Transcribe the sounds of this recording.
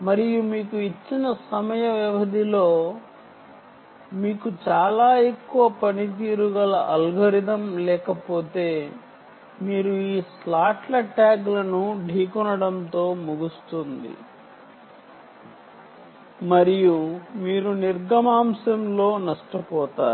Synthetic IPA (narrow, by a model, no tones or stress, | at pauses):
mɐɾijumiːkuit͡ʃːinɐsɐmɐjɐʋjɐʋɐd̪ʱilo̞ː | miːkut͡ʃaːlaːe̞kːuʋɐpɐnit̪̬iːɾuɡɐlɐʔɐlɡʱɐɾid̪ɐmlɛːkɐpo̞ːt̪e̞ː | miːɾuiːslaːʈlɐʈaːɡlɐnuɖʱiːkunɐɽɐnt̪o̞ːmuɡust̪und̪ḭ | mɐɾijumiːɾuniɾɡɐmaːmsɐmlo̞ːnɐʂʈɐpɔːt̪a̰ːɾu